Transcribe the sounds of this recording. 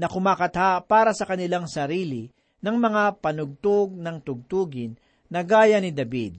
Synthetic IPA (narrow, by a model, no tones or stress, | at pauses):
nɐkʊmaːkɐt̪hapaːɾɐsɐkɐnɪlaŋsɐɾiːlɪ | nɐŋmɐŋapɐnʊɡ̚t̪oɡ̚nɐŋt̪ʊɡ̚t̪uːɡɪnː | ɐɡaːjɐnɪd̪ɐbḭd̪̚